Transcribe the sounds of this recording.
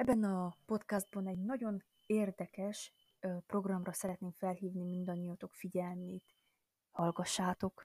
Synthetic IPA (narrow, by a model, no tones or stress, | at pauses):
ɛbːɛnɒpo̞t̪kazd̪̚bɒnɛɟnɒɟo̞n | eːrd̪ɛkɛʃ | pro̞ɡrɒmrɒsɛɾɛt̪neːmfɛlɦiːvnimind̪ɒnːijot̪o̞kfiɟɛlneːt̪ | hɒlɡɒʃːaːt̪o̞k